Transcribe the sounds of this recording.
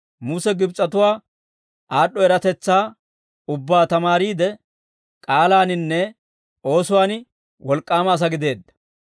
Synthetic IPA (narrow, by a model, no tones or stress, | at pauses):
mʊsɛɡɪbt͡sʼːɐt̪ʊwaː | ʔaːɗːɔɛɾɐt̪ɛt͡sːaː | ʊbːaːt̪ɐmaːɾiːd̪ɛ | kʼaːlaːnɪnːɛ | o̞ːsʊwaːn | wɔlkʼːaːmɐːs̬ɐɡɪd̪e̞ːd̪ːɐ̥